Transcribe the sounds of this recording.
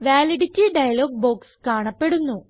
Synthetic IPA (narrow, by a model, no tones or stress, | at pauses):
ʋaːliɽitʲːiɖɐjɐloːɡ̚bo̞ːkskaːɳɐpːe̞ɽunːu